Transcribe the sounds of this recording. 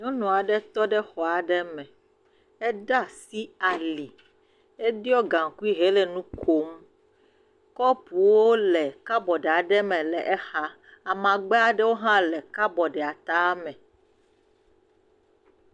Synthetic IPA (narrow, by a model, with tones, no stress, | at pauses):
ɲɔ̃˦nɔ̃˨a˨ɖɛ˦t̪ɔ˦ɖɛ˦xɔ˨a˨ɖɛ˦mɛ̃˨ | ɛ˦ɖa˦si˦a˨li˨ | e˦di˦ɔ˦ɡã˨ŋ˨ku˦i˦ɦe˦lɛ˨nũ˦kʰo˦m | kɔ˦pu˨wo˦lɛ˨ka˦bɔ˨ɖɛ˨a˨ɖɛ˦mɛ̃˨lɛ˨ʔɛ˦xa˦ | a˨mã˨ɡ͡be˦a˨ɖɛ˦wo˦ɦã˦lɛ˨ka˦bɔ˨ɖɛ˨a˨t̪a˦mɛ̃˨